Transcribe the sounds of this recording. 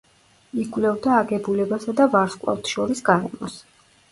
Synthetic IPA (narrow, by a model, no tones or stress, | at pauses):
ikʼwvlɛvd̪aːɡɛbulɛbasad̪avaɾskʼlˠa̰ft̪ʰʃɔɾisɡaɾɛ̰mɔs